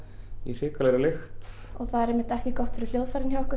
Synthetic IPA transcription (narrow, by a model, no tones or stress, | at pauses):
ir̥ɪːkalejɾɪlɪxt̪ | ɔɣθaðɛɾɛmɪnt̪ɛhcɪkɔwht̪fɪɾɪljowðfaɾɪnçjawɔkʏ